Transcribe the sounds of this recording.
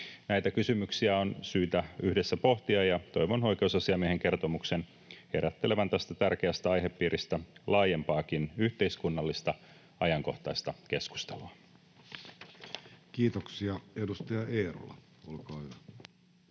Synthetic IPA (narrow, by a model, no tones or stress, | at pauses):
næit̪ækysymyksiæonsyːt̪æyhdesːæpo̞ht̪iɑjɑt̪o̞jʋono̞jk̟e̞usɑsiɑmieheŋke̞rt̪o̞mukse̞n | heɾʔæt̪ːeleʋænt̪æst̪æt̪ærkeæst̪æɑjɦe̞pːiːɾʔist̪ælɑːje̞mpɑːkinyht̪e̞iskunːɑlːist̪ɑ | ɑjɑŋko̞ht̪ɑist̪ɑke̞sku̥st̪eluɑ | kiːt̪oksiɑedust̪ɑjɑeːro̰lɑ̰ | olkɑːhyʋæ